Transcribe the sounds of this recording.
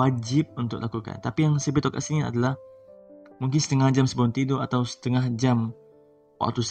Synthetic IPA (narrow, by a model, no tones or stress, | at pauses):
ad͡ʒɪp̚unt̪ʊklakuka̰nt̪apijaŋsəbɪt̪ːoka̰ʔsinia̰dalah | muŋk̬ɪnsə̥t̪əŋahd͡ʒamsəbalʊnt̪idoat̪awsə̥t̪əŋahd͡ʒam | wa̰ʔt̪us